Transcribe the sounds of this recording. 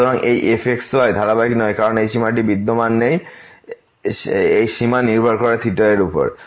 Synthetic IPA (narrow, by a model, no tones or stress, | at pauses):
oɾaŋʔejʔefʰekslɔejd̪ʱaɾabakinɔekaɾonejʃimaʈibid̪ːomanːej | ejʃimaniɾbʱɔɾkoɾet̪ʰiʈoɾeɾupo̰ɾ